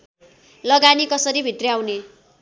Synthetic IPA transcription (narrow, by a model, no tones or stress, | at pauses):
lʌɡanikʌsʌɾibʱit̪reaw̃ne